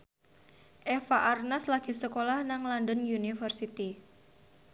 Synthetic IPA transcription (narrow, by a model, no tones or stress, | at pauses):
ʔɛfaʔarnaslaɡ̥i̤səkolahnaŋlandənjunifərsit̪i